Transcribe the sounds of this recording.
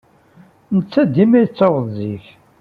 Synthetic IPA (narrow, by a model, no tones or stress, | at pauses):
nət͡sːæd̪imæjt͡sːoʁðziç